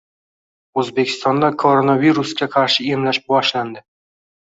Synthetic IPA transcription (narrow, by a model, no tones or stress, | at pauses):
ɵzbe̞kʲʰɪ̥st̪ɒnd̪akʰoɾonaviɾuskʲaqʰɑɾʃɪemlaʃbɒʃland̪ɪ